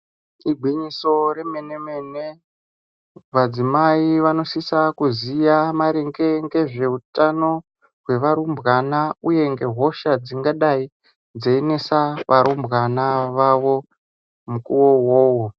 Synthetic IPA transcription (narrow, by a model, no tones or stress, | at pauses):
iɡʱwiɲiso̞ɾe̞me̞ne̞mene | ʋad͡zimaiʋano̞sisakuzijamaɾeŋɡe̞ŋɡe̞ʐe̞utano̞ | ɦwe̞ʋaɾumbɣanauje̞ŋɡe̞ɦo̞ʃad͡ziŋɡaɗai | d͡zeine̞saʋʔaɾumbɣanaʋaʋo̞ | mukuwo̞woːwo